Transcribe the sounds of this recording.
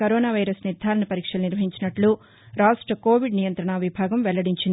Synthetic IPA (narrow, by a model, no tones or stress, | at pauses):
ɐɾoːnaːʋɐjɾɐsniɾd̪ʱaːɾɐnɐpɐɾiːkʂɐluniɾʋɐɦiɲt͡ʃinɐʈlu | ɾaːʂʈɾɐkoːʋiɖnijɐnt̪ɾɐɳaʋibʱaːɡɐmʋɛlːɐɽiɲt͡ʃind̪